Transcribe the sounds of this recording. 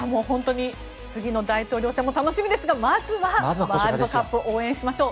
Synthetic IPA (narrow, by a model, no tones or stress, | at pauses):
amo̞ːhõ̞nt̪o̞ɲ̟i | t͡sɨɡʲino̞d̪ait̪o̞ːɾʲo̞ːɕamo̞t̪ano̞ɕimʲid̪e̞sɨɡamazɨβaamaɾokapːɯʔoːẽ̞ɰ̃ɕimaɕo̞ː